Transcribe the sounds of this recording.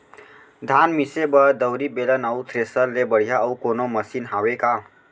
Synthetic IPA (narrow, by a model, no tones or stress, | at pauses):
d̪ʱanmisebəd̪əwɾibelənəʊt̪ʰɾesəlːebəɽ̤ijaəwkonoməsinɦaweka